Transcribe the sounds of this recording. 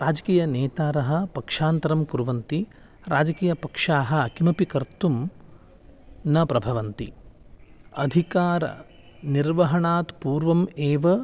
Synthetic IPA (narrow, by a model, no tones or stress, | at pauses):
ɾaːd͡ʒɐkiːjɐneːt̪aːɾɐɦɐ̆pɐkʂaːnt̪ɐɾɐmkuɾʋɐnt̪i | ɾa̰ːd͡ʒɐkiːjɐpɐkʂaːɦɐ̆kimɐpikɐɾt̪um | nɐpɾɐbʱɐʋɐnt̪i | ɐd̪ʱikaːɾɐ̰ | niɾʋɐɦɐɳaːt̪puːɾʋɐmeːʋɐ